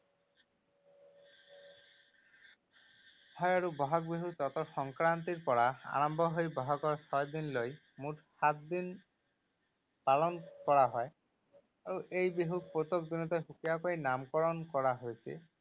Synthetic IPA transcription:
tʰɔjaɹubɔɦɔk̚biɦut͡ʃɔt̪ɔxɔŋkɾant̪iɾpɔɽaa̰ɹɔmbʱɔɦojbɔɦɔkɔɹsʰɔjd̪inloj | muʈʰsat̪̚d̪in | palɔnkɔɹaɦɔe | auʔejbiɦuk̚pot̪okd̪inɔt̪ɔɦukijakoinamkɔɹɔnkɔɹaɦojsʰḭ

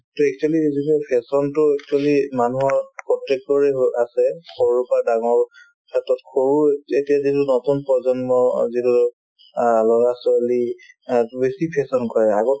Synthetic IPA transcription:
tuɛk̚t͡ʃualizitupʰɛsɔntʊɛk̚t͡ʃualimanuɦɔɹpɹɔtːɛk̚tɔɹɛasɛkʰoɹupadaŋɔɹ | kʰatɔtkʰoɹuetiazitunɔtunpɹɔzɔnmɔzitu | lɔɹasɔali | besipʰɛsɔnkɔɹɛaɡɔ

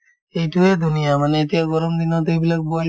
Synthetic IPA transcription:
ejʈued̪ʱunijamaneet̪ijaɡɔɾɔmd̪inɔt̪ejbilak̚bɔjl

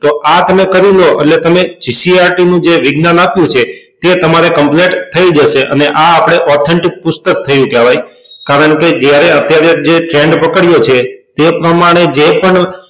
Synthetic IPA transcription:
t̪oʔat̪əmekəɾiloʔḛʈlet̪əmet͡ʃisiaɾʈinũd͡ʒeʋɪɡnanapjũt͡ʃʰet̪et̪əmaɾekəmpleʈt̪ʰːəid͡ʒəʃeʔə̰neʔaːpɽ̃eʔɔt̪ʰɛɳʈɪk̚pʊst̪ək̚t̪ʰəjũkɛʋaj | kaɾəɳked͡ʒjaɾeət̪jaɾed͡ʒeʈɾɛ̃ɳɖpəkəɽjot͡ʃʰet̪epɾəmaɽ̃ed͡ʒepəɳ

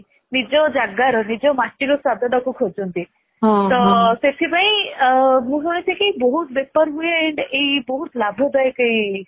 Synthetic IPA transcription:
nid͡ʒɔd͡ʒaɡaɾɔnid͡ʒɔmaʈiɾɔsad̪ʱɔɖɔkukʰod͡ʒɔnt̪i | ɦt̪ɔset̪ʰipaĩ | mũɦoɭet͡ʃʰikiejbɔɦut̪̚bepɔɾɦueːɳɖejbɔɦut̪labʱɔd̪ɔjkej

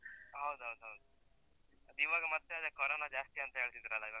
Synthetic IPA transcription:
ɦɐwd̪uɦɐwd̪uɦɐwd̪u | ɐd̪uiʋaːɡɐmɐt̪ːead̪ekoːɾoːnad͡ʒaːst̪iɐnt̪ɐɦeːɭsid̪iɾɐlːɐiʋaː

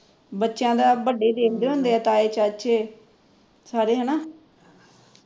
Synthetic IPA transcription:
bətːʃjãːd̪aːbəɖːeːd̪eːkʰd̪eːɦõːnd̪eːɛːt̪aːeːt͡ʃat͡ʃʰeː | saːɾeːɦənaː

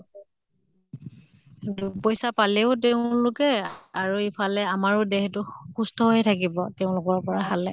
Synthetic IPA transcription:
dupɔjsapalɛʊteʊ̃lʊkɛaɹuipʰalɛamaɹʊdeɦɛtʊxustɔɦojɛtʰakibɔteʊ̃lʊkɔɹpɔɹaɦalɛ

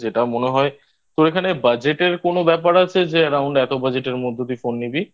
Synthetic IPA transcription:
d͡ʑeʈamoneɦɔe | t̪oɾekʰanebad͡ʑeʈeɾkonobɛpaɾat͡ɕʰed͡ʑeəɾawɳɖɛt̪obad͡ʑeʈeɾmod̪ʱːot̪ifonːibi

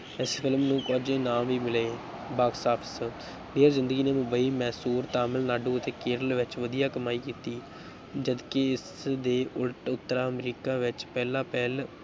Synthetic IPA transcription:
ɛspʰɪlmnũːkɔːd͡ʒẽːnãːmʋiːmɪleː | baːksaːpʰs | ɖeːɾzɪ̃nd̪əɡiːneːmʊmbəiːmɛːsuːɾt̪aːmɪlnaːɖũːət̪eːkeːɾəlʋɪt͡ʃʋəd̪ijaːkəmaːiːkiːt̪iː | d͡ʒəd̪keɪsd̪eːʔʊlʈʊt̪ːəɾaːəmɾiːkãːʋɪt͡ʃpɛːlãːpɛːl

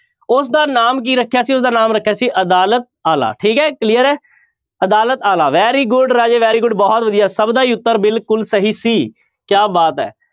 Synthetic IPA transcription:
ʊsd̪aːnaːmk̬iːɾəkʰːejaːsiːʊs̬d̪aːnaːmɾəkʰːjaːsiːʔəd̪aːlət̪̚aːla̰ːʈʰiːkɦɛːklijəɾɛː | əd̪aːlət̪aːlaːʋɛːɾiːɡʊɖɾaːd͡ʒeːʋɛːɾiːɡʊɖbɔːt̪ʋəd̪ijaːsəbd̪aːiːʊt̪ːəɾbɪlkʊlsəɦiːsiː | kjaːbaːt̪ɛ̰ː

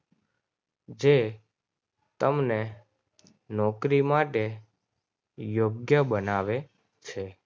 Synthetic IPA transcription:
d͡ʒe | t̪əmne | nɔkɾimaʈe | joɡjəbənaʋe | t͡ʃʰe

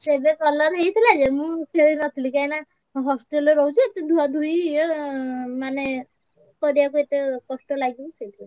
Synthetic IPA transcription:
sebekɔlaɾɦejt̪ʰilad͡ʒemũkʰeɾinɔt̪ʰilikajna | ɦɔsʈelɾɔɦut͡ʃʰiet̪id̪ʱuad̪ʱui | mane | kɔɾiak̬uet̪ekɔsʈɔlaɡibɔsejt̪ʰile

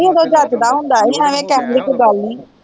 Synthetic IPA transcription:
id̪od͡ʑaːt̪d̪aɦũːn̆d̪aːɦɛsãːʋẽkɛːt̪lɪkɡaːliː

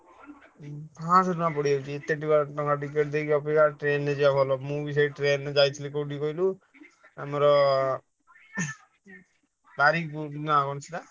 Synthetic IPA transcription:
pʰãsɔɾumapɔɽiewt͡ʃʰiet̪ːeʈiɡaɾt̪ɔ̃ŋkaʈik̬eʈ̚d̪ekʰiɔpikaʈɾenːed͡ʒiapɔlɔmubisejʈɾenːed͡ʒajt̪ʰilikoʈikɔilu | amɔɾɔ | baɾikpunakɔnt͡ʃʰit̪a

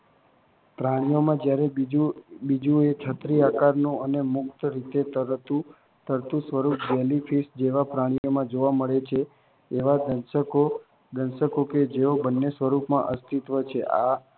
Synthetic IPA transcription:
pɾaɽ̃ijomãd͡ʒjaɾe | bid͡ʒũet͡ʃʰət̪ɾiakaɾnũənemʊkt̪əɾit̪et̪əɾt̪ũ | t̪əɾt̪ũsʋəɾupd͡ʒɛlifʰisd͡ʒeʋapɾaɽ̃ijomãd͡ʒoʋaməɭet͡ʃʰeː | ʋad̪ənsəko | d̪ənsəkoked͡ʒeobənːesʋəɾupmã̰ʔəst̪it̪ʋət͡ʃʰeʔa̰

